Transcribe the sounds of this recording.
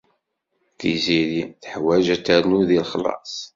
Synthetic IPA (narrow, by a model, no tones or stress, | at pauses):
θiziɾiθħwæʒæt͡sːæɾnuðilχəlɑ̰sˤ